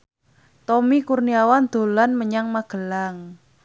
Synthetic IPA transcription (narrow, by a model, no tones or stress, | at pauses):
t̪ɔmikurniawand̪̥o̤lanməɲaŋmaɡ̥ə̤laŋ